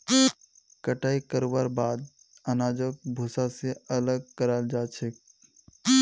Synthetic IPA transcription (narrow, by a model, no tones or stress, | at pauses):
kəʈaikəɾbaɾbad̪̚ | ənad͡ʒək̚bʱusaseələɡ̚kəɾald͡ʒat͡ʃʰek